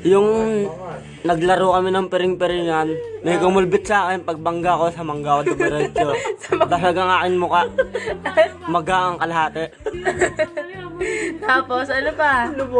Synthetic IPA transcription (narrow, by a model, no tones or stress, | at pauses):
jʊŋ | nɐɡlɐɾokɐmɪnɐŋpɛɾɪŋpɛɾɪŋanːɐkomʊlbɪt̪̚sɐʔaːkɛnpɐɡ̚bɐŋɡako̞sɐmɐŋɡakod̪ʊbɐɾɛt͡ʃob̪asɐɡɐŋaːkɪnmʊka | mɐɡaʔɐŋkɐlɐɦaːt̪ɛʔ | t̪aːposʔɐnopa